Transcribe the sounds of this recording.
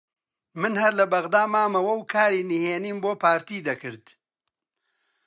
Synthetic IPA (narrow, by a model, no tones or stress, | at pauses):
mɨnhɐɾlɐbɐɣd̪aːmaːmɐwɐwkʰaːɾiːniheːniːmboːpʰaːɾt̪iːd̪ɐkɨɾd̪̥